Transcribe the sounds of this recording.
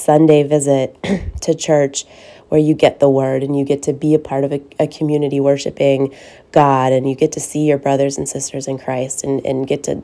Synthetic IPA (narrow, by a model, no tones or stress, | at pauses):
sʌ̃ndeɪvɪzɪtʰɨt͡ʃʰɜ˞t͡ʃ | wə˞jɨɡɛt̪̚ðəwɜ˞ɾɨ̃njɨɡɛtʰɨbiɨpʰɑɹɾʌvɨɨkʰɨmjʉnɨɾiwɜ˞ʃɨ̰pɪ̃ŋ | ɡ̥ɑɾɨ̃njɨɡɛtʰɨsijə˞bɹʌðə˞z̃n̩sɪstʰə˞zɨ̃nkʰɹ̥aɪstɨ̃nɨ̰̃nɡɛtʰɨ̰